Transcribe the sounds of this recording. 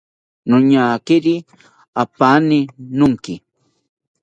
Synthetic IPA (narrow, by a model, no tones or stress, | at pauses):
nʊɲaːkɪɾi | apanɪnʊŋkɪ